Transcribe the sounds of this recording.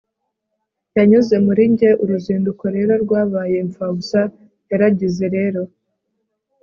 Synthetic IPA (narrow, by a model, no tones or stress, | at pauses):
jaɲuze̞muɾiɲɟe̞ʔuɾuziːnduko̞ɾe̞ːɾo̞ɾɡwaːβaːje̞ɱfabuza | jaɾaɟize̞ɾe̞ːɾo̞